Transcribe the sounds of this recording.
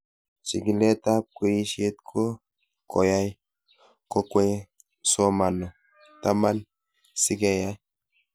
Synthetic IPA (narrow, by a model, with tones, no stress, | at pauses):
si˨ɡi˨lɛ˦ta˦p̚kwo˦ji˦ʃie˦t̪̚kʰo˦ | kɔ˨ja˦j | ko˦kwe˦ | so˦ma˨nɔ˨ | ta˦ma˦n | si˦ɡe˦˨ja˦j